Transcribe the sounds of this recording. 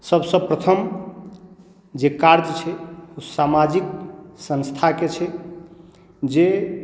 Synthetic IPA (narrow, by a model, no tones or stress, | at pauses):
səbsəpɾət̪ʰəm | d͡ʒekaɾd͡ʒt͡ʃʰɛusamad͡ʒiksə̃nst̪ʰaket͡ʃʰɛ | d͡ʒe